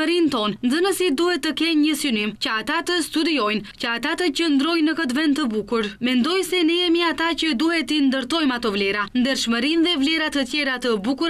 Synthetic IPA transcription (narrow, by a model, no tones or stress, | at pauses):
əɾint̪ɔnnd̪ənəsid̪uhɛt̪ːəkɛnɲəsynimcəat̪at̪əst̪ud̪iɔjncəat̪at̪əcənd̪ɾɔjnəkət̪vɛnd̪t̪ːəbukuɾmɛnd̪ɔjsɛnəjɛmiat̪acəd̪uhɛt̪ind̪əɾt̪ɔjmat̪ɔvlɛɾand̪əɾʃməɾinðɛvlɛɾat̪ət̪jɛɾat̪əbukuɾa